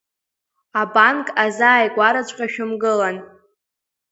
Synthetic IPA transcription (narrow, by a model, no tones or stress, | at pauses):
abankʼazaːjɡʷaɾat͡ɕʷʼqʲʼaʃᶣʊmɡɨlan